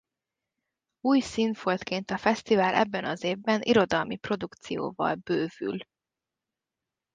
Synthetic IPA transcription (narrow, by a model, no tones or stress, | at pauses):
uːjsinfolt̪keːnt̪ɒfɛst̪ivaːlʔɛ̰bːɛnɒzeːvbɛnʔiɾo̞d̪ɒlmipro̞d̪ukt̪sijo̰ːvɒ̰lb̥øːvy̰l